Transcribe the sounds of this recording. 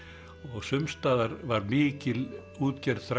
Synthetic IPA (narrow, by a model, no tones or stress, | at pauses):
ɔɣsʏmst̪aːðaɾvaɾmɪːcɪl | uːt̪cɛɾðθɾ